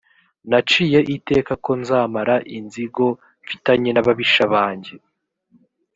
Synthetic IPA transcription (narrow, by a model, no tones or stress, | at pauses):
nat͡ʃiːjeʔite̞ːkako̞nzaːmaɾaʔinziɡo̞ | ɱfi̥taɲe̞naβaβiʃaβaːɲɟe̞